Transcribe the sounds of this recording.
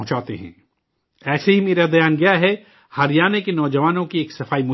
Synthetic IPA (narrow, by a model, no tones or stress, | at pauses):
ɦt͡ʃaːt̪ḛɦɛ̰̃ː | ɛːseɦimeːɾad̪ɐjaːnɡɐjaɦɛ | haːɾijaːnekenɔːd͡ʒɐʋaːnõkieːksɐfaːimʊ